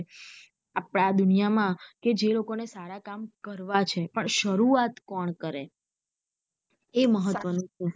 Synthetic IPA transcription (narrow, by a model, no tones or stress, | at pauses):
apɽ̃ad̪unijamãked͡ʒelokonesaɾakamkəɾʋat͡ʃʰepəɳʃəɾuat̪kɔɳkəɾe | eməɦət̪ːʋənũt͡ʃʰu